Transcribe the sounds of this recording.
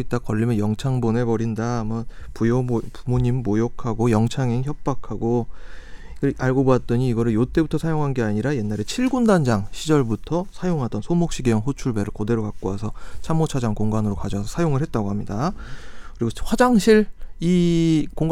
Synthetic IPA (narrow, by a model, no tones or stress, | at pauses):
it͈̚akʌʎːimʌnjʌŋt͡ɕʰaŋbonepʌɾindamʌnpujopumoɲimːojokʰaɡojʌŋt͡ɕʰaŋeŋçjʌp̚p͈akʰaɡo | kʔaɭɡoboat̚t͈ʌɲiːɡʌɾɯɭjot͈e̞butʰʌsʰajoŋɦanɡeaɲiɾaje̞nːaɾe̞t͡ɕʰiɭɡundand͡ʑaŋɕʰid͡ʑʌɭbutʰʌsʰajoŋɦadʌnsʰomok̚ɕ͈iɡejʌnɸot͡ɕʰuɭbe̞ɾɯɭkʌde̞ɾokak̚k͈oasʰʌt͡ɕʰamːot͡ɕʰad͡ʑaŋkoŋɡanɯɾokad͡ʑʌsʰʌsʰajoŋɯɭɦhe̞t̚t͈aɡohamɲida | kɯɾiɡowad͡ʑaŋɕʰiɭikoŋɡ